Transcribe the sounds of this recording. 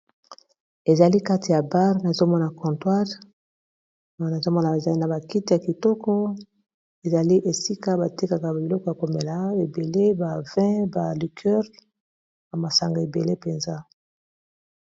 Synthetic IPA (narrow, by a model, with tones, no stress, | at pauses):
e˨za˨li˦ka˦ti˨ja˨ba˦ʁna˨zo˦mɔ˦na˨kɔ̃˨twa˦ʁ | na˨zo˦mɔ˦na˨e˨za˨li˦na˨ba˨ki˦te˨ja˨ki˨tɔ˦kɔ˦ | e˨za˨li˦ʔe˨si˦ka˦ba˨te˦ka˨ka˨bbi˨lɔ˦kɔ˦ja˨ko˨me˨la˨e˨be˨le˦ba˨vɛ̃˦ba˨li˨kʰɛ˦ʁ | ba˨ma˨sa˨ŋɡa˨e˨be˨le˦pe˨nza˦